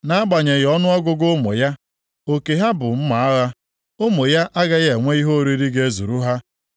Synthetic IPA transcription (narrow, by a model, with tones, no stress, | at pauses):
na˦a˦ɡ͡ba˨ɲe˨ɣɔ˦nʊ˦ɔ˦ɡʊ˦ɡʊ˦mʊ̰˨ja˦ | o˨ke˨ɦa˦bʊ˨m̩˦ma˨a˦ɣa˦ | o˦mo˨ja˦ʔa˦ɡa˦ɣe˨ŋʷe˦i˦ɦo˦ɾi˦ɾi˦ɡe˦zṵ˨ɾu˦ɦa˦